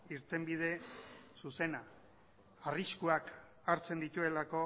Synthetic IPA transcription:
iɾt̪e̞mbið̞e̞suse̞na | ariskuak | aɾt͡se̞nd̪it̪ue̞lako̞

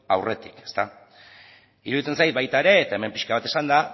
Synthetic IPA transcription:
awre̞t̪i̥ke̥st̪a | iɾuðit͡se̞nsajt̪bajt̪aeɾe̞ːt̪aeme̞mpiʃkaβat̪e̞sand̪a

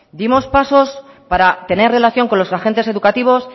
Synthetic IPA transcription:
d̪imo̞spaso̞s | paɾat̪e̞ne̞re̞laθjo̞ŋko̞nlo̞saxe̞nt̪e̞se̞ðukat̪iβ̞o̞s

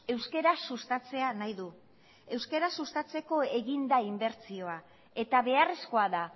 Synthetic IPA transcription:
e̞wske̞ɾasust̪at͡se̞anajðu | e̞wske̞ɾasust̪at͡se̞ko̞e̞ɣind̪aimbe̞ɾt͡sio̞a | e̞t̪aβe̞are̞sko̞aða

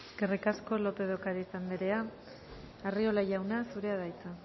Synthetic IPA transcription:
ɡ̥erikasko̞lo̞pe̞ð̞okaɾiisand̪eɾe̞a | ario̞laʝawnasuɾe̞aðajt͡sa

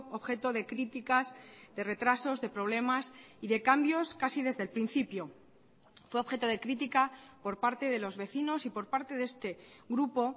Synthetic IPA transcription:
oβxe̞t̪o̞ðe̞kɾit̪ikazðe̞re̞t̪ɾaso̞zðe̞pɾo̞β̞le̞masiðe̞kambjo̞skasið̞e̞zðe̞lpɾin̟θipjo̞ | fwe̞o̞βxe̞t̪o̞ðe̞kɾit̪̬ikapo̞ɾpaɾt̪e̞ðe̞lo̞zβe̞θino̞sipo̞ɾpaɾt̪e̞ðest̪e̞ɣɾupo̞

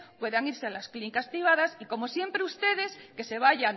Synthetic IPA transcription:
pwe̞ðaŋiɾsealasklinikaspɾiβ̞aðasiko̞mo̞sje̞mpɾeust̪e̞ðe̞ske̞se̞βaʝan

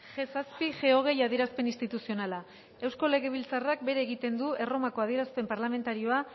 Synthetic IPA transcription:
ʝesaspiʝe̞o̞ɣ̞e̞jaðieɾaspe̞nist̪it̪usio̞nala | e̞wsko̞le̞ɣ̞e̞β̞ilt͡sarak̚be̞ɾe̞ːɣit̪e̞nd̪ue̞ro̞mako̞aðie̞ɾaspe̞mpaɾlame̞nt̪aɾio̞a

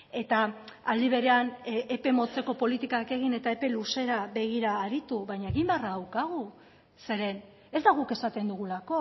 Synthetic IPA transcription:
e̞t̪aːld̪iβ̞e̞ɾe̞anʔepe̞mo̞t͡se̞ko̞po̞lit̪ikake̞ɣ̞ine̞t̪ae̞pe̞luse̞ɾaβe̞ɣ̞iɾaːɾit̪uβajɲaeɣimbearaðawkaɣ̞u | se̞ɾe̞n | e̞zd̪aɣ̞uke̞sat̪e̞nd̪uɣulako̞

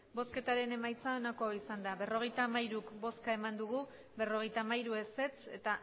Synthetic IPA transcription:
bo̞ske̞t̪aɾe̞ne̞majt͡sao̞nako̞oisand̪aβe̞ro̞ɣ̞e̞jt̪aːmajɾukbo̞skae̞mand̪uɣ̞u | βe̞ro̞ɣ̞e̞jt̪aːmajɾue̞se̞t͡se̞̰t̪a

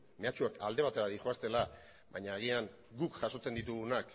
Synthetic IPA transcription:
me̞at͡ʃuaka̰ld̪e̞β̞at̪e̞ɾaðixoast̪e̞la | βaɲaːɣ̞iaŋ | ɡukʝaso̞t͡se̞nd̪it̪uɣunak

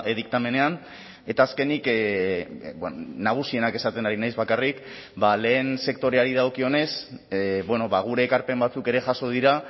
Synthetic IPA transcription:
eðik̚t̪ame̞ne̞an | e̞t̪aːske̞nik | bnaɣ̞usie̞nake̞sat̪e̞naɾinajzβakarik | bale̞ːnse̞kt̪o̞ɾe̞aɾið̞ao̞kio̞ne̞sβwe̞no̞βaɣ̞uɾe̞ːkaɾpe̞mbat͡suke̞ɾe̞ʝaso̞ð̞iɾa

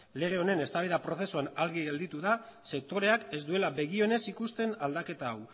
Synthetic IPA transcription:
le̞ɣeo̞ne̞ne̞st̪aβ̞iðapɾo̞θe̞suanalɣiɣeld̪it̪uðase̞k̚t̪o̞ɾe̞ake̞zd̪ue̞laβe̞ɣio̞ne̞sikust̪e̞nald̪ake̞t̪aːw

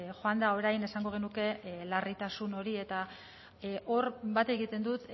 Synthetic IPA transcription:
xoand̪ao̞ɾajne̞saŋɡo̞ɣ̞e̞nuke̞larit̪asuno̞ɾie̞t̪a | ʔo̞rbat̪e̞ɣit̪e̞nd̪ut̪

